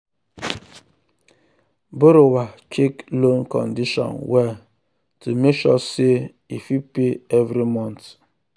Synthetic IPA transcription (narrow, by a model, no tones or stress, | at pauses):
bʊɾʊwat͡ʃeklonkɔ̰ndiʃɔ̰̃nwɛ | tumeʃɔse | ifipeevɾimɔ̃nt